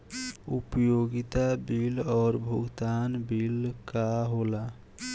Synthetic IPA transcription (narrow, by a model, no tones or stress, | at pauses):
upjoɡit̪abilɔːɾbʱuɡt̪anbilkaɦola